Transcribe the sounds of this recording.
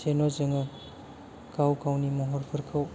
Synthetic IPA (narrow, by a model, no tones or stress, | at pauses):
senozɐŋɐ | kawkawnimɔɦɔɾpʰɐɾkʰaw